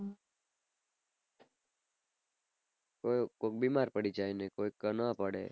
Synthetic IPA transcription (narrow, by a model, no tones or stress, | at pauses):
kok̚bimaɾpəɽid͡ʒainekoikːənəpəɽḛ